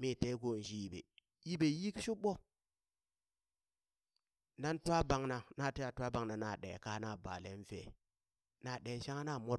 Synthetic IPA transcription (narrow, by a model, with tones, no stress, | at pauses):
mi˦˨te˦ɡo˨n˨d͡ʒi˦ji˨bḛ˨ | ji˦be˨˦ji˦kʃu˦ɓo˦ | na˦n˦twa˦ba˨ŋna˨na˦˨ti˦ja˨tʷa˦ba˨ŋna˨na˨ɗḛ˨ka˦na˦˨ba̰˨le˨˦n˦fḛ˨ | na˦˨ɗe˨˦ʃa˦ŋa˦na˦˨mo˦ɾ